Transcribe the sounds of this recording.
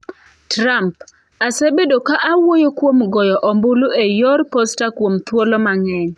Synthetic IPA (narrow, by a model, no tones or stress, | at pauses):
tɾamp | asebedokaʔawojokwomɡɔjɔʔɔmbʊlʊʔejɔrpɔstakwomt̪wolɔmaŋɛɲ